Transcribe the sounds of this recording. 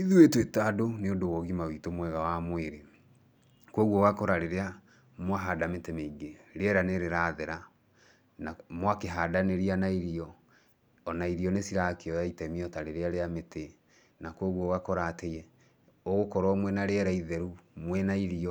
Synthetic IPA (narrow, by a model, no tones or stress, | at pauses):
iðuetetadoneondowɔɣimawitomwɛɣawamweɾe | kwɔɣɔɣakɔɾaɾeɾea | mwaɦadametɛmeiɡeɾeɛɾaneɾeɾaðɛɾa | namwakeɦadaneɾianaiɾiɔː | naiɾiɔnesiɾakeɔjaitɛmiɔtaɾeɾeaɾeamete | nakwoɣwɔɣakɔɾatejɛ | oɣokɔɾɔmwɛnaɾeɛɾaiðɛɾumwɛnaiɾiɔ